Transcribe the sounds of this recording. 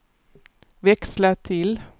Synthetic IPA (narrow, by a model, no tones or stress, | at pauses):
ʋɛkslət̪ʰɪl